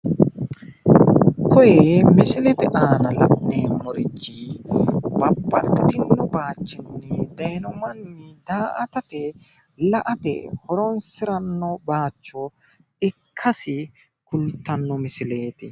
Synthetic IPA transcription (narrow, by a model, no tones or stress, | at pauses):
kʰɔjɛmɪsɪlɛt̪ɛᶑaːnɐlɐ̰ʔneːmɔɾɪd͡ʒːi | bɐbːɐt̪ːɐt̪ɪnːɔbaːt͡ʃːɪnːɛɛd̪ɐjnɔmɐnːd̪aːʔɐt̪ɐt̪ɛ | lɐʔɐt̪ɛ̰hɔɾɔnsɪɾɐnːɔbaːt͡ʃːɔ | ɪkʰːɐsɪ | kʊlt̪ːɐnːɔmɪsɪle̞ːt̪ɪ